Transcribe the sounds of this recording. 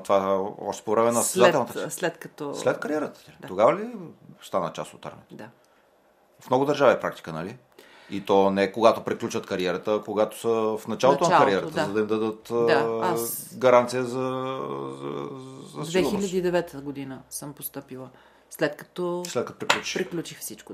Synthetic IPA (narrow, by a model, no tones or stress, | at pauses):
t̪ovaɔ̰ʃt̪ɛ̥povɾɛmɛnɐɛat̪ɛlˠnɐt̪slɛt̪kɐt̪ɔslɛt̪kɐɾijɛɾət̪ə̥t̪oɡavəlist̪anət͡ʃa̰st̪ot̪a̰ɾmɛ̰t̪od̪a | fmnɔɡʊd̪əɾʒaviɛpɾak̚t̪i̥kənɐli | it̪ɔnɛkoɡat̪opɾiklʲut͡ʃvət̪kɐɾiɛɾət̪əkoɡat̪o̥səfnɐt͡ʃalˠot̪onkɐɾiɛɾətt̪əzɐd̪ɐimd̪ɐd̪ət̪asɡɐɾant̪sijəzɐzɐ̰zɐsd̪vɛxiʎʲɐsd̪iid̪ɛvɛt̪əɡod̪inəsəmpost̪ɤpilˠə | slɛt̪kɐ̥t̪ɔslɛt̪kɐt̪opɾiklʲut͡ʃi̥xpɾiklʲut͡ʃixfsit͡ʃko